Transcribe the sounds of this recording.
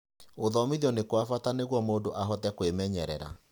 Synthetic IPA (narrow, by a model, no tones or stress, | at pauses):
oðɔmiðiɔnekwafataneɣwɔmoːdoʔaɦɔtɛkwemɛɲɛɾɛ̰ɾa̰